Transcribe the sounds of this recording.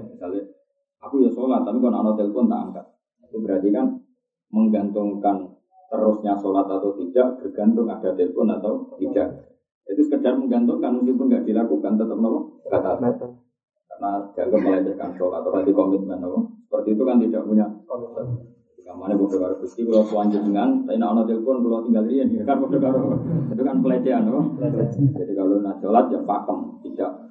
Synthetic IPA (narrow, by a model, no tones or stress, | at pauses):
misala | akujasolat̪ːapikona̰not̪ɪlpʊnt̪a̰ŋkaʔ | akubəɾat̪ikan | məŋɡant̪ʊŋkan | t̪əɾʊsɲasolat̪at̪awt̪idaʔb̥ərɡ̥ant̪ʊŋad̥ad̪ɪlpʊnat̪awbid͡ʒaʔ | d͡ʒadiskədarməŋɡant̪ʊŋkanmuŋs̬ɪpʊnɡaʔd̥ilakukant̪ət̪əp̚nɔlɔkat̪aa | karnad͡ʒ̥aɡap̚məlad͡ʒɛka̰nsolat̪aladikomɪt̪̚kanakʊsə̥pərt̪iːt̪ukant̪idaʔbuɲa | iŋamanabɔdəkaɾʊput̪ikəlokuaɲd͡ʒʊdəŋant̪ainaonat̪elpʊnkəlot̪iŋɡaldianakanbudəkaɾʊit̪ukanpəled͡ʒeanakɔ | d͡ʒadikalonasolat̪̚d͡ʒapak̪əmt̪idaʔ̚